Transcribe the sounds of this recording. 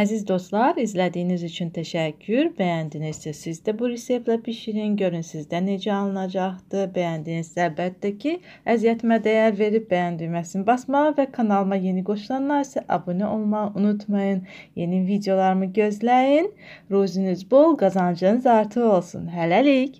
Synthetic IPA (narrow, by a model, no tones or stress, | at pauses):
æzizd̪o̞st̪lˠɑɾizlæd̪ijːnizyt͡ʃʰynt̪ʰæʃæcʰːyɾbæjænd̪iniz̥sæsizd̪æbuɾesevlæpʰiʃiɾinɟø̞ɾynsizd̪æne̞d͡ʒæɑlˠɯnɑd͡ʒɑχd̪ɯbæjænd̪inizsælbæt̪ʰːæcʰi | æzijæt̪ʰimæd̪æjæɾve̞ɾip̚bæjænd̪yjmæsinibɑsmɑʁɯvækʰɑnɑlˠɯmɑje̞niɡo̞ʃlˠɑnːɑɾisɛʔɑ̰buniʔo̞lˠmɑʁunut̪ʰmɑjɯn | jenivid̪ejo̞lˠɑɾɯmɯɟø̞zlæjin | ɾuzinyzbolˠɡɑzɑnd͡ʒɯnɯzɑɾt̪ʰɯo̞lˠsṵnɦælælic